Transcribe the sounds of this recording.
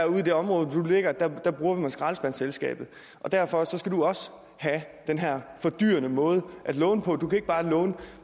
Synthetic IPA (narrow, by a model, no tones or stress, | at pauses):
æɐuðˠid̥e̝ɒ̽mʁɔ̽ːð̩ˠd̥ule̝ɡ̥ɐd̥æd̥æb̥ʁuːɐʋimɑnsɡ̥ʁɑ̈ːlsb̥ænselsɡ̥ɛ̰ːb̥ð̞̩ˠ | ʔɒ̽d̥æɐ̰fɒ̽sɒ̽sɡ̥æd̥uɒ̽sə | hæd̥enɦæɐ̰fɒ̽d̥y̰ːɐnəmɔ̽ːð̞ˠʔæd̥lɔ̽ːnəpʰɒ̽d̥ukʰæe̝ɡ̥̚b̥ɑ̈ːlɔ̽ːnə